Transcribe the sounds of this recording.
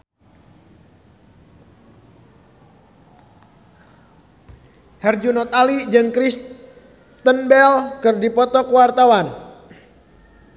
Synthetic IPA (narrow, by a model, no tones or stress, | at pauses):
hɛrd͡ʒunɔt̪alid͡ʒɨŋkɾis | t̪ənbɛlkɨrdipɔt̪ɔkwart̪awan